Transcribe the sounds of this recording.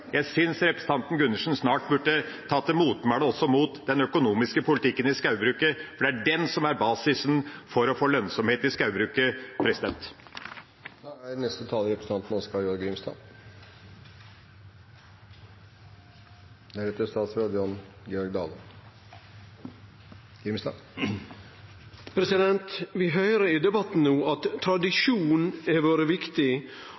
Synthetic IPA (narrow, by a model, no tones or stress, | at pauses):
jæɪsʏnsɾɛpɾɛsət̪ɑnt̪n̩ɡʉnːəʂn̩snɑːʈbʉʈːət̪ʰɑːt̪ʰɛmuːt̪mæɽəɔsɔmuːt̪d̪ɛnœkʊnuːmɪskəpʰʊlɪt̪ʰɪkːənɪskɑʉbɾʉːkəfɔɖɛæɖɛnsɔmæɾbɑːsɪsnfɔɾɔfoːlœnsɔmheːt̪ɪskɑʉbɾʉːkəpʰɾɛsɪd̪ɛnt̪ | ænɛst̪ət̪ʰɑːləɾɛpɾəsəɑnt̪n̩ɔskɑjɔɾɡɾʏmst̪ɑ̰ː | næɾet̪əst̪ɑːt̪sɾoːd̪əjɑn | ɡɛɔɾɡd̪ɑ̰ːlə | ɡɾɪmst̪ɑ̰ː | pʰɾɛsɪd̪ɛnt̪ʋɪɦœʏɾəɪd̪ɛbɑt̪n̩nuːʔɑt̪ʰːɾɑd̪ɪʂuːnɛʋoːɾəʋɪkt̪ɪ